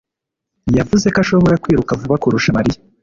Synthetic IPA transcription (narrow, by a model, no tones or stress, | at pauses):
javuze̞kaʃo̞βo̞ɾakwiːɾukavuβakuɾuʃamaɾija